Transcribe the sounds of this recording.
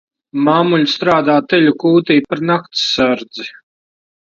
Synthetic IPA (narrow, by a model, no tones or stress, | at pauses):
maːmulʲst̪ɾaːd̪aːt̪ɛʎʲukuːt̪iːpaɾnak̚t̪saɾd̪zi